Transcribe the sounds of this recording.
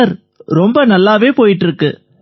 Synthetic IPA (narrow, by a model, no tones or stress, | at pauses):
ɐɾ | ɾɔmbɐnɐlːaːʋeːpoːjɪʈːɪɾɯkːɯ